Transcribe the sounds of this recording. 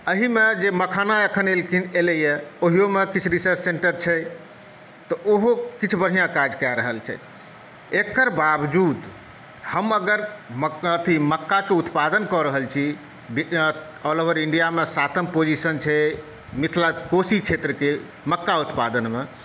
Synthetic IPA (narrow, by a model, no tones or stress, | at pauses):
əɦimed͡ʒeməkʰanaekʰənelkʰineləjɛoɦijomekit͡ʃʰɾisəɾt͡ʃʰsẽɳʈəɾt͡ʃʰɛ | t̪ɔʔoɦokit͡ʃʰbəɽ̤ijãkad͡ʒkɛɾəɦəlt͡ʃʰɛ̰ | ekəɾbabd͡ʒud̪ | həməɡəɾmət̪ʰiməkːakeut̪pad̪ənkɔɾəɦəlt͡ʃʰi | bi | ɔlobəɾiɳɖijamesat̪ʰəmpod͡ʒisənt͡ʃʰɛ | mit̪ʰlakosit͡ʃʰet̪ɾəke | məkːaut̪pad̪ənme